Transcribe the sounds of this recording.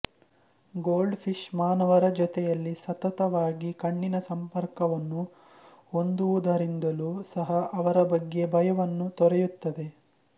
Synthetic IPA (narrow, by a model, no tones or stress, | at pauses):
ɡoːlɖpʰiʂmaːnɐʋɐɾɐd͡ʒɔt̪ɛjɐlːisɐt̪ɐt̪ɐʋaːɡikɐɳːinɐsɐmpɐɾkɐʋɐnːu | ond̪uʋud̪ɐɾind̪ɐluːsɐɦɐʔɐʋɐɾɐbɐɡːebʱɐjɐʋɐnːut̪ɔɾɛjut̪ːɐd̪e